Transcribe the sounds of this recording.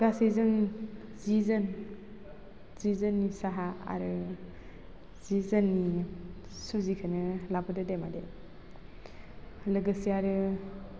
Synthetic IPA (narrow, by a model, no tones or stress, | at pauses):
ɡasezɯn | zizɯn | zizɯnːisaɦaa̰ɾɯ | z̥izanːi | suzikʰɯnɯlabɯdɯdemadḛ | lɯɡɯsiaɾɯ